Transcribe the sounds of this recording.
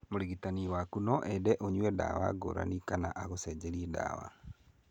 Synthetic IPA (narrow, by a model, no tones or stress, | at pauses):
moɾiɣitaniwakunɔʔɛdɛʔoɲwɛda̰wa̰ɡo̰ɾa̰nikanaʔaɣosɛd͡ʑɛɾiɛda̰wa̰